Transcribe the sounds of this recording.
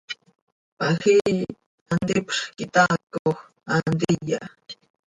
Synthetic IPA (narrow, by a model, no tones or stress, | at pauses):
paxi | and̪ɪpχkɪt̪akox | and̪ɪʎa